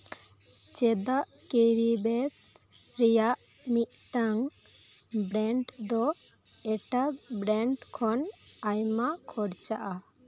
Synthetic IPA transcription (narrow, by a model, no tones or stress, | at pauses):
t͡ʃɛd̪aʔ | keɾibɛt̪ | ɾɛjaʔ | mit̪̚ˀʈaŋ | bɾɛɳʈd̪ɔ | ɛʈabɾɛɳʈkʰɔnajmakʰɔɽt͡ʃaʔa